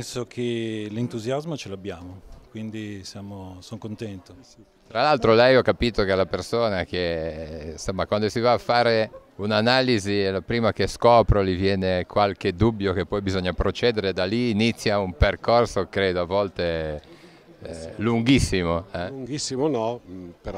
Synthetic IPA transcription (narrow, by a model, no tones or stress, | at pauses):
ɛnsokʰelint̪uzjazmot͡ʃeloabːjaːmokwind̪isjaːmosonkont̪ɛnt̪o | t̪ɾalalt̪ɾolɛjɔkːapiːt̪okealapersoːnake | nsomːakwand̪osivaːfːaːɾeunanaːlizilapɾiːmak̟eskɔːpɾolivjɛːnekwalk̟ed̪ubːjok̟epːɔjbizoɲːapɾot͡ʃɛːd̪eɾed̪aliːnit̪sːjaumperkorsokɾeːd̪oavːɔlt̪e | luŋɡisːimoɛuŋɡisːimonɔpe